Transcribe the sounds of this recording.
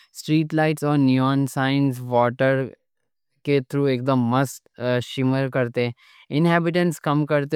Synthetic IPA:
sʈɾiːʈlaɪʈsɔːɾnjuɔ̃ːnsaːɪ̃nsʋɔːʈəɾ | ket̪ʰɾuːeːk̚d̪əmːɐsʈʃɪməɾkɐɾt̪e | ɪnɦɛːbɪʈ̬ə̃nʈskɐmkɐɾt̪e

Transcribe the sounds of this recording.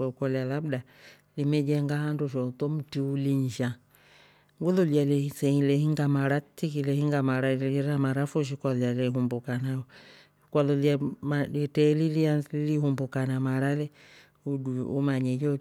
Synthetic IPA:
ɛkɔlalabda | limɛd͡ʒɛŋɡahanduʃɔt̪ɔm̩tiuliɲd͡ʒa | ŋɡulɔlialɛsɛhilɛhiŋɡamaɾatikilɛhiŋɡamaɾaɾamaɾafɔʃ̬ikwalɔjalɛɦumbukanaɔ | kwalɔljamalɛtɛlilianlihumbukanamaɾalɛ | uduumaɲɛd͡ʒɔ

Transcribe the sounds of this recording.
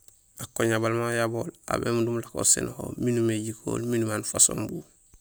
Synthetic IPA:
akoɲabalmajaboːla̰bḛːmudumlako̰sḛnho̰minumeɟikʰo̰ːlminumaːnfaso̰ːmbu

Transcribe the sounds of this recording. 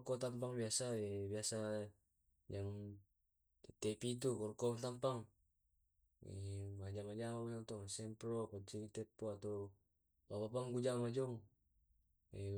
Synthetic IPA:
kɔt̪ampaŋbiasaɛbiasa | d͡ʒaŋ | ɛt̪ɛpit̪̬ukɔrkɔt̪ampaŋ | ɛ̰mad͡ʒamad͡ʒamat̪ɔŋsɛmpɾopat͡ʃiɾit̪ɛpoat̪ɔ | babapaŋɡud͡ʒamad͡ʒɔŋ | ɛ

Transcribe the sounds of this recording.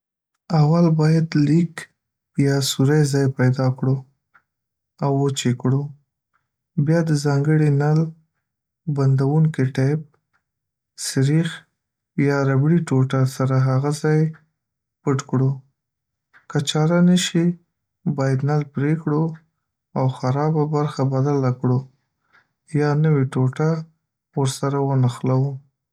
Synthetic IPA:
awalbɑjad̪lik | jɑsuɾajzɑjpajd̪ɑkɽo | awːot͡ʃekɽo | bjɑd̪əzɑŋɡəɽinal | band̪awuŋkiʈap̚ | sɪɾix | jɑɾabɽiʈoʈasaɾaɦaɣazɑj | pəʈkɽo | kat͡ʃɑɾanəʃi | bɑjad̪nalpɾekɽo | awxaɾɑbabaɾxabad̪alakɽo | jɑnəwiʈoʈa | wəɾsaɾawənaxlawu

